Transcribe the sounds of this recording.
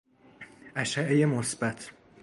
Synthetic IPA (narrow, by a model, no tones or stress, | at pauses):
ʔæʃæʔejemosbæt̪ʰ